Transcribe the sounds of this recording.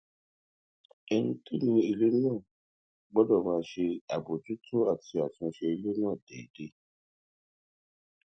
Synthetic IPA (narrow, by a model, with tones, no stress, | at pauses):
e˧n̩˦ti˦nĩ˧i˧lo˦nãː˦˨ | ɡ͡bɔ˦dɔ˦˨mãː˨˦ʃe˧a˨bo˨d͡ʒu˨˦tʰo˦a˦˨ti˧a˨tũ˧˦ʃe˧i˧lo˦nã˦˨dɛ̰˨de˦